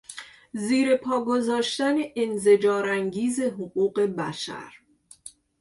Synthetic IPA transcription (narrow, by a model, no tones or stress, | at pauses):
ziːɾe̞pʰɒːɡo̞zɒːʃt̪æne̞ʔenze̞d͡ʒɒːɾæŋɟiːze̞ɦoɢuːɢe̞bæʃæ̰ɾ